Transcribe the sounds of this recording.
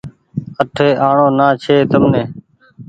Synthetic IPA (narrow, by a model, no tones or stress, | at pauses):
əʈʰeːʔaːɳoːnaːt͡ʃʰeːt̪əmnẽː